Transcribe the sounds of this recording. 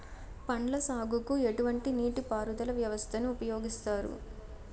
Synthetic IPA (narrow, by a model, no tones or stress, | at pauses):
pɐɳlɐsaːɡukue̞ʈuʋɐɳʈiniːʈipaːɾud̪ɐlɐʋjɐʋɐst̪ʰɐnuːpɐjoːɡist̪aːɾṵ